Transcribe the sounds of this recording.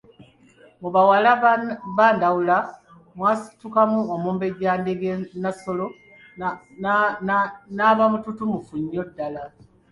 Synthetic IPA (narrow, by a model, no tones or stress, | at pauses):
muβawalaβaːndawula | mwaːsi̥tukamuomuːmbe̞ɟaːndeɡenaso̞lo | naːβamututumufuɲːodːala